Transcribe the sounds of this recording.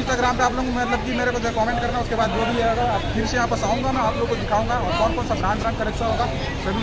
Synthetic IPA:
sʈaɡɾaːmpeaːploŋmɐt̪ləb̚kimeɾekod͡ʒekɔːmẽɳʈkəɾnaʊskebaːd̪d͡ʒob̪ʱieɡapʰiɾsejɦaːpəsaũŋɡamẽaːploːɡ̚kod̪ɪkʰaũŋɡaɔɾɡɔnpʰonsaɡɾãnt̪ɾə̃ŋkəɾekt͡ʃʰɔɦõɡa | sebʱi

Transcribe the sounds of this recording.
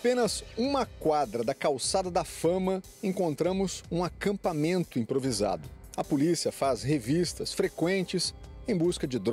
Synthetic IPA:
apẽnɐzũmɐkwad̪ɾɐd̪ɐkawsad̪ɐd̪ɐfɐ̃mɐ | ẽkõnt̪ɾɐ̃mʊzũakɐ̃mpamẽnt̪ʊĩpɾoviza̰d̪ʊɐpolisiɐfazɦevist̪ɐsfɾekwẽnt͡ʃɪsẽj̃buskɐd͡ʒɪd̪

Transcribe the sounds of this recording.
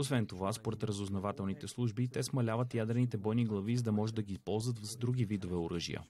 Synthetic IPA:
osvɛnt̪ovaspoɾɛt̪ɾəzoznovat̪ɛlˠnit̪ɛslˠuʒbit̪ɛsmɐlʲavət̪jad̪ɾɛnit̪ɛbɔjniɡlˠɐvizəd̪ɐmɔʒɛd̪ɐɡispɔlˠzvət̪vzd̪ɾuɡivid̪ovɛoɾɤʒḭjə̰

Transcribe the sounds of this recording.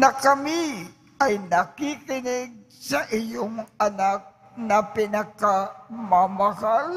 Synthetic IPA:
nɐkɐmi | ajnɐkikɪnɪɡ̚ | sɐʔɪjʊŋanak̚ | nɐpɪnakamamahal

